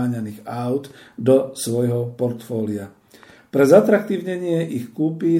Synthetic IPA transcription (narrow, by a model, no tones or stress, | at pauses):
ɲaniːɣaʊd̪ | d̪ɔsʋɔjɦɔpɔɾt̪fɔːlia | pɾɛzat̪ɾak̚t̪iːʊɲɛɲɪɛʔixkuːpiː